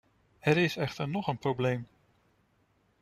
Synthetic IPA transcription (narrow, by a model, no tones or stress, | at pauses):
hɛɾɪsɛχtəɹnɔχənprowblejm